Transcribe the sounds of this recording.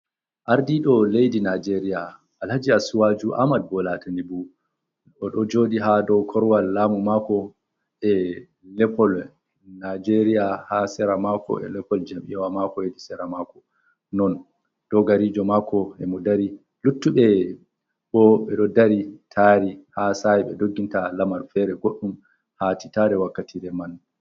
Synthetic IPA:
ʔaɾdiɗɔlejdinad͡ʒeɾija | ʔalhad͡ʒiasuwad͡ʒuʔa̰mad̚bɔlatʰanibu | ɔɗɔd͡ʒoːdiɦadɔkʰɔɾwalːaːmumakɔ | ʔɛ | lɛpɔl | nad͡ʒeɾijahasɛɾamakʰɔ̰ɛ̰lɛpɔld͡ʒamḭwamakɔjedisɛɾamakɔ | nɔn | d̥ɔɡaɾid͡ʒɔmakʰɔɛmɔdaɾi | lutːuɓɛ | ɓɔɓɛɗɔdaɾitʰaɾihasajiɓɛdoɡːintalamaɾfɛɾɛɡoɗːum | hati̥taɾɛwakːatʰiɾɛman

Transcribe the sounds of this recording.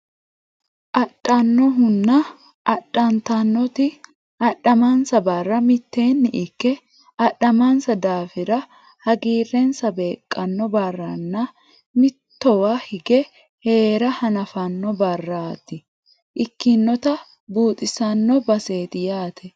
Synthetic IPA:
ʔɐɗɐnːɔɦʊnːɐ | ʔɐɗːɐnt̪ɐnːɔt̪ɪ | ʔɐɗːɐmɐnsɐbɐrːɐmɪt̪ːe̞ːnːɪʔɪkːɛ | ɐɗɐmɐnsɐd̪aːfɪɾɐ | hɐɡiːrːɛnsɐbe̞ːkʼːɐnːɔbɐrːɐnːɐ | mɪt̪ːɔwahɪɡɛ | he̞ːɾɐhɐnɐfɐnːɔbɐrːaːt̪ːɪ | ʔɪkːɪnːɔt̪ɐ | buːt̪ʼɪsɐnːɔbɐse̞ːt̪ɪjaːt̪ʰɛ

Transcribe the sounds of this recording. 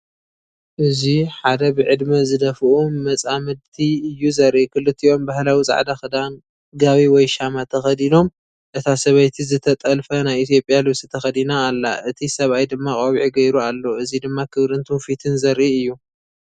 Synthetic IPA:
ʔɨziħad̪ɐbɨʕɨd̪mɐzɨd̪ɐfɨʔuːɐt͡sʼamɨd̪t̪ʰiɨjːuzɐɾʔikʰɨlɨt̪ʰːio̞mbahlawit͡sʼa̰ʕd̪axɨd̪an | ɡaβiwɔjʃamat̪ʰɐxɐd̪ino̞m | ʔɨt̪ʰasɐβɐjt̪ʰizɨt̪ʰɐt̪ʼɐlfɐnajit̪ijo̞pʼjalɨβsɨt̪ʰɐxɐd̪inaːlːa̰ʔɨt̪ʰisɐβajd̪ɨmːakʼoβʕiɡɐjɾualːoɨzid̪ɨmːakʰɨβɾɨnt̪ʰufit̪ʰɨnzɐɾʔiɨjːu

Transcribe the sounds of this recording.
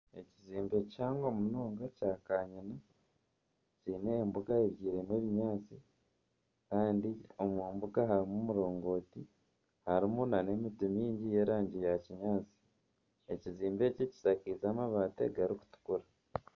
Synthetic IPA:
e̞ciziːmbe̞caːŋɡo̞munoːŋɡacaːkaːɲina | cineːmbuɡaeβɟiːɾemweːβiɲaːt͡si | kaːndio̞mwuːmbuɡaɦaɾimumuɾo̞ːŋɡo̞ːti | haɾimunane̞mitumiːɲɟije̞ːɾaːɲɟijaciɲaːt͡si̥ | e̞ciziːmbe̞cici̥sakizaːmaβaːte̞̰ɡaɾiku̥tu̥kuɾa

